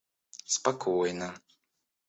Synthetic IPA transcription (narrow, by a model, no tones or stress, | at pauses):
spakʰuːjna